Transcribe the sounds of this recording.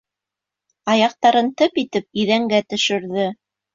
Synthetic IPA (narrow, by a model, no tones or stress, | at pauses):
ɑjɑq̚t̪ɑɾɤnt̪ɤpit̪ɘp̚iðæŋɡæt̪ɵ̆ʃɘ̆ɾðɘ